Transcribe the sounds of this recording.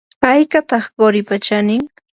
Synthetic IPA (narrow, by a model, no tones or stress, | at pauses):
ajkat̪ɑχɢoɾɪpat͡ʃanɪŋ